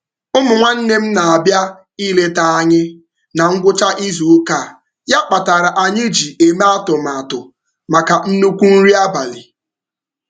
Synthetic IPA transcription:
ʊ˦mʊ˨ŋʷa˦n̩˦ne˦m̩˦na˨a˨bja˦ | i˦le˦ta˦a˦ɲɪ˦ | na˨ŋ̩˦ɡʷʊ˦t͡ʃa˦ʔi˦zu˨˦ka˦˨ | ja˦k͡pa˨ta˨ɾa˨ʔa˨ɲɪ˦d͡ʒi˨e˨me˦a˦tʊ˨m̩˨a˨tʊ˨ | ma˨ka˨n̩˦nu˦kʷu˦n̩˦ɾi˦a˦ba˨li˨

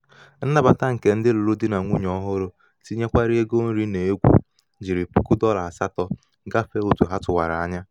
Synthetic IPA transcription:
n̩˦na˦ba˨ta˦ŋ̩˨ke˨n̩˦dɪ˦lu˨lu˦di˦na˨ŋʷu˦ɲɔ˦ɦʊ˦ɾʊ˨ | ti˦ɲe˦kʷa˦ɾi˦e˦ɡo˦n̩˦ɾi˦ne˨e˦ɡʷṵ˨ | d͡ʒi˨ɾi˨pṵ˦kʊ˦dɔ˦la˨sa˦tɔ˦ | ɡa˦fe˦o˦tu˨ɦa˦tʊ˨wa̰˨ɾa˨a˦ɲa˦

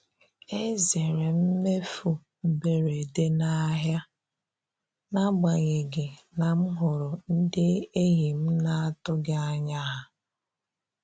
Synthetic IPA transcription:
e˦ze˨ɾe˨m̩˦me˦fu˦ | m̩˨be˨ɾe˨de˦na˦ɦja˦ | na˦ɡ͡ba˨ɲe˨ɡɪ˨ | na˨m̩˦ɦʊ˨ɾʊ˨n̩˦dɪ˦e˦ɦi˨m̩˦na˦a˦tʊ˦ɡa˦a˦ɲa˦ɦa˨

